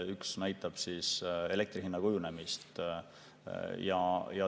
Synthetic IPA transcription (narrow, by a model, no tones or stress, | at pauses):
yksnæjt̪ːˑɑb̥sise̞le̞kt̪riɦinːɑkujune̞mist̪ | jɑjɑ